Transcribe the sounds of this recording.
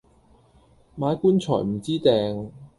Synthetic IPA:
maː˨˧˥jkuː˥nt͡sʰɔ̰ː˨˩jm̩˨˩t͡siː˥t̪ɛː˨˧ŋ

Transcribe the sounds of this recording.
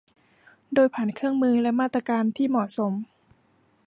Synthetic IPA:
doː˧jpʰaː˨˩˦nkʰɯ˥˩əŋmɯː˧lɛ˦˥maː˥˩t̪ːɾa˧kaː˧nt̪ʰiː˥˩mɔ˨˩so˩˦m

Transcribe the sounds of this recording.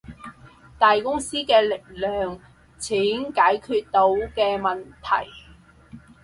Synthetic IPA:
t̪aː˨jkʊ˥ŋsiː˥kɛː˧lɪ˨k̚lœː˨ŋ | t͡sʰiː˨˥nkaː˨˥jkʰyː˧t̚t̪o˨˥wkɛː˧mɐ˨nt̪ʰɐ̰˨˩j

